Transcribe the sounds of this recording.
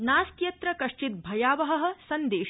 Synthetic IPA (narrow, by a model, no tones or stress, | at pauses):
naːskjɐt̪ɾɐkɐʂt͡ʃit̪̚bʱɐjaːʋɐɦɐɦɐ̆sɐnd̪eːʃ